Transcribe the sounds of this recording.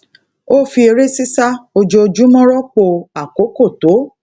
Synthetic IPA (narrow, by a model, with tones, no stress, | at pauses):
o˦fi˧e˧ɾe˦si˦sa˦o˧d͡ʒo˧d͡ʒu˦mɔ̃˦ɾɔ˦k͡po˧a˨ko˨˦ko˦˨to˨˦